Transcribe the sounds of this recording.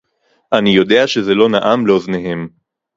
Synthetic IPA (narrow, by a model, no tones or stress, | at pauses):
ʔanijo̞deaʃe̞zelo̞naʔamleozneɦe̞m